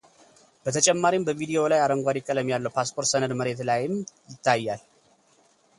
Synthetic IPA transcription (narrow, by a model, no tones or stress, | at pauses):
b̥ət̪ʰət͡ʃʼɛmːaɾimbəvid̪io̞lajaɾəŋɡʷad̪ɪkʼːələmjalːəwpʰaspʰo̞ɾt̪sənəd̪məɾe̞t̪lajɪmjɪt̪ʰːajːal